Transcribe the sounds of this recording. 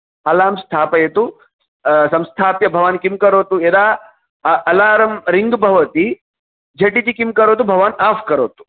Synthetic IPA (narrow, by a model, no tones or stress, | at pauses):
alaːmst̪ʰaːpɐjet̪u | sɐ̃mst̪ʰaːpjɐbʱɐʋaːnkimkɐɾoːt̪ued̪aː | ɐlaːɾɐmɾiŋɡbʱɐʋɐt̪i | d͡ʒʱɐʈit̪ikimkɐɾoːt̪̬ubʱɐʋaːnaːfkɐɾoːt̪u̥